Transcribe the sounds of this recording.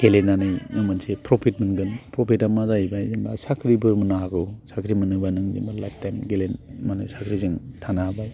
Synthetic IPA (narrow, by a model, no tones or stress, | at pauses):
ɡ̥elenːanɯjnɯŋmɯnsepɾopʰit̚mɯnɡɯnpɾɔpʰitamazaibajzimbasakʰɾibɯmɯnaɦaɡɯsakʰɾimɯnɯŋbanɯŋzḭmbala̰jp̚tanɡelenmanɯjsakʰɾizɯŋtʰanaɦaba